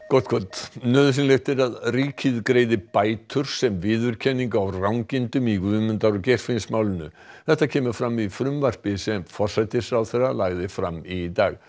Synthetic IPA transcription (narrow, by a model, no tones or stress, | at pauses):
kɔt̪kʰɔt̪nœːðʏs̬ɪnlext̪ɛɾaðriːcʰɪðkɾeːjðɪpaːjt̪ʰʏɾ̥sɛmvɪːðʏɾ̥cʰɛnːiŋkawrawŋcɪnt̪ʏmikvʏːmʏnt̪aɾʊcɛr̥fɪnsmaːwlɪnʏ̰ | θɛht̪acʰɛːmʏ̥fɾamːifɾʏmvar̥spɪsɛmfɔr̥sajt̪ɪsɾawθerːalaɣðɪfɾamːit̪aːɣ